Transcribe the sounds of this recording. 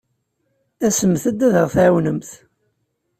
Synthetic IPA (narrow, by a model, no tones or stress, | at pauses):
æsəmθəd̪ːæðəʁθʕwnəmθ